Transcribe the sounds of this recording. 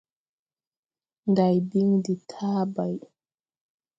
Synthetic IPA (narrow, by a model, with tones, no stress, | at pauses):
nda˨jbi˦ŋdi˨tʰaː˦ba˨j